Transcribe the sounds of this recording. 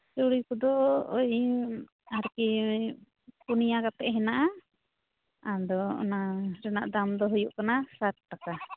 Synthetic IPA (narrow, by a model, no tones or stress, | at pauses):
t͡ʃuɽikɔd̪ɔːj | aɾki | kunijakat̪ɛʔɦɛnaʔa | ad̪ɔɔ̰naɾɛna̰ʔd̪amd̪ɔɦujuʔkanasat̪̚ːaka